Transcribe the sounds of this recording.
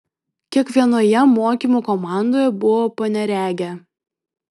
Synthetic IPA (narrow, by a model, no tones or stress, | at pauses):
kʲiɛkʋʲiɛnoːjɛmoːkʲiˑmuːkɔmɑˑnd̪oːjɛbʊʋoːpɐnʲɛɾʲæːɡʲɛ